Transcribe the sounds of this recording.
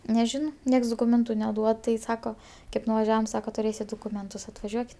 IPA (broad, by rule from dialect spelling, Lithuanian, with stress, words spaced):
nʲɛˈʒʲɪnɐʊ ˈnʲiɛks doːˈkuːmʲɛntʊ nʲɛˈduɔt tɐɪ ˈsɑːkoː ˈkɐɪp nʊʋɐˈʒʲæːʋɐm ˈsɑːkɐ tʊˈrʲeːsʲɪt dʊkʊˈmʲɛntʊs ɐtʋɐˈʒʲuɔkʲɪt